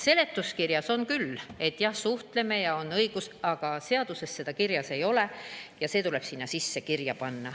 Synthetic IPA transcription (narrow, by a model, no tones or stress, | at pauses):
se̞le̞t̪ːˑuskirjɑso̞nkyle̞t̪ːjɑhsuht̪le̞me̞jɑo̞nːɤjɡ̥usɑɡ̥ɑse̞ɑd̪̥use̞sːe̞d̪̥ɑkirjɑse̞jo̞le̞jɑseːt̪ule̞b̥sinːɑsisːe̞kirjɑpɑnːɑ